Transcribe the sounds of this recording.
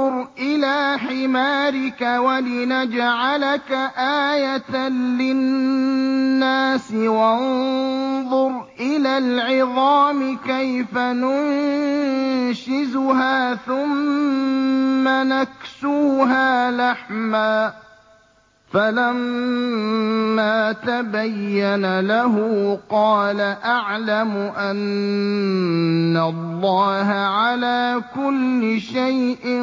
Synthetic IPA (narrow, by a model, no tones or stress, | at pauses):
ʊɾʔɪlaːħɪmaːɾɪkawalɪnad͡ʒaʕalakaʔaːjat̪anlɪnnːaːsɪwan | ðˤʊɾʔɪlaːlʕɪðˤɑːmɪkajfanʊn | ʃɪzʊɦaːθʊm | anaksuːɦaːlaħmaː | falam | aːt̪abajːanalaɦʊqɑːlaʔaʕlamʊʔan | alˤːɑːɦaʕalaːkʊlːɪʃajʔɪ